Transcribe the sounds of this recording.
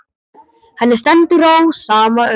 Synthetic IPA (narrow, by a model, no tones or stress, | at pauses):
hanːɪɾ̥st̪ɛnt̪ɪɾowsaːmaœ